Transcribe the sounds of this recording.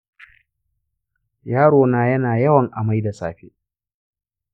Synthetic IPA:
jaː˦ɽoː˨naː˨jɐ˦naː˨jɐ˦wɐ˨ŋʔa˨ma˦jda˨sa̰ː˨ɸḛː˦

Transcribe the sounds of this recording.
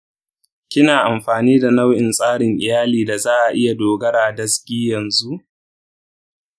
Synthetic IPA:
kʲɪ˦naː˨ʔa˨mɸaː˨niː˦da˨na˦wʔɪ˨nsʼaː˦ɽɪ˨ŋʔɪ˨jaː˦liː˨da˨zaː˦ʔa˨ʔɪ˦ja˨doː˨ɡɐ˦ɽaː˨dɐ˦skʲiː˦jɐ˨nzu˦ʔ

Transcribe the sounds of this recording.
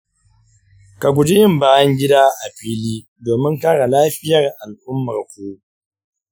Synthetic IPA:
ka˨ɡʷʊ˨d͡ʒe˦jɪ˦mbaː˦jɐ˦ŋɡʲɪ˦daː˦ʔa˨ɸiː˦liː˦ | doː˨mɪ˦ŋkaː˦ɽa˨laː˦ɸɪ˦jɐ˨rʔa˨lʔʊ˦mːɐ˨rkʷoː˦

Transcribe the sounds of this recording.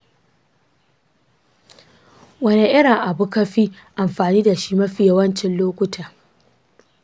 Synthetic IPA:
wɐ˦ne˦ʔɪ˦ɽɪ˨ŋʔa˨bʊ˦kɐ˦ɸi˦ | ʔa˨mɸaː˨niː˦da˨ʃi˦mɐ˦ɸɪ˨ja˦wɐ˦nt͡ʃɪ˨nloː˦kʷʊ˦tʰaː˨

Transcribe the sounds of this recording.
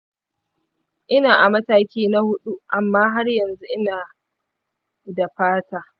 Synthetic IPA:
ʔɪ˦naː˨ʔa˨mɐ˦taː˦kʲiː˦na˦hʊ˦ɗu˦ʔa˨mːaː˦ɦa˦rjɐ˨nzu˦ʔɪ˦naː˨ | da˨ɸaː˦taː˨

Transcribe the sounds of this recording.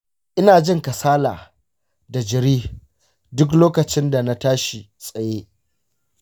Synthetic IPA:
ʔɪ˦naː˨d͡ʒɪ˦ŋka˨saː˦laː˨ | da˨d͡ʒɪ˨ɾiː˦ | dʊ˦k̬loː˦kɐ˨t͡ʃɪ˦nda˨na˦taː˦ʃi˨ | sʼɐ˨jeː˦ʔ

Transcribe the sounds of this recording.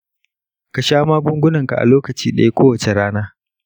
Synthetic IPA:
ka˨ʃaː˦maː˦ɡʷʊ˦ŋɡʷʊ˦nɐ˨ŋka̰˨ʔa̰˨loː˦kɐ˨t͡ʃiː˦ɗɐ̰˦je˦kʷʰoː˦wɐ˨t͡ʃe˨ɽaː˦naː˦

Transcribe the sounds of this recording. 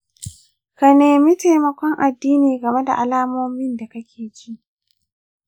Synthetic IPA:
ka˨neː˨mi˦ta˨jmɐ˨kʷɔ˦ŋʔa˨dːiː˦niː˨ɡɐ˨me˦da̰˨ʔa˨laː˦moː˦mɪ˦nda˨kɐ˦kʲʰeː˨d͡ʒi˦ʔ

